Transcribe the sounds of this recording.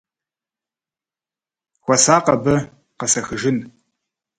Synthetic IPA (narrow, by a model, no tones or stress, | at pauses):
xʷɐsaːqɐbɐ | qɐsɐxɨʒɪn